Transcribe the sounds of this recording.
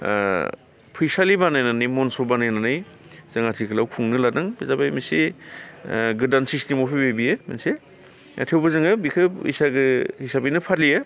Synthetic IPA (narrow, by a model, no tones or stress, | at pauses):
pʰijsalibanajnanɯjmɔnsɔbanajnanɯjzaŋatʰikʰɯlawkʰuŋnɯladɯŋbizabajmisi | ɡɯdansistemɔpʰibebijemḛnse | a̰tʰewbɯzɯŋɯbikʰɯpḭsaɡɯhisabinɯpʰat̚lija